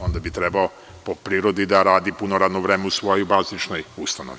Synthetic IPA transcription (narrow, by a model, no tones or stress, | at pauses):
o̞nd̪abit̪ɾe̞bao | popɾiːɾod̪id̪aɾaːd̪ipunoɾaːd̪noʋɾeːmeusʋo̞jobaːzit͡ʃnojust̪ano̰ʋi